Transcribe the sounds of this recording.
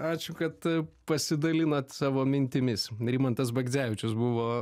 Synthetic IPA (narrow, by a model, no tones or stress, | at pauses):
ɑːt͡ʃʲʊkɐt̪pɐsʲɪd̪ɐlʲɪnoːt̪ʲsɑːʋoːmʲɪnʲt̪ʲɪmʲɪsɾʲiːmɐnt̪ɐs̬bɐɡʲzʲæʋʲɪt͡ʃʲʊsbʊʋoː